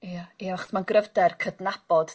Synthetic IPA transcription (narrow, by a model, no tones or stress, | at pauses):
iaiavaχɔ̥smanɡrəvdɛrkʰədnab̥ɔd̥